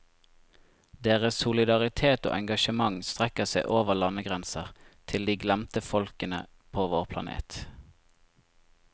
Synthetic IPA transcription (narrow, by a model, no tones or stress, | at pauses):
d̪eːʁəsʊlɪd̪ɑʁɪt̪ʰeːt̪o̰ːʔɛŋɡɑʃəmɑŋst̪ʁɛkəseɪʔoːʋəʁlɑnəɡʁɛnsəʁt̪ʰɪld̪iːɡlæmt̪əfɔlkənə̰ | pʰoːʋoːʁpʰlɑ̰nḛːt̪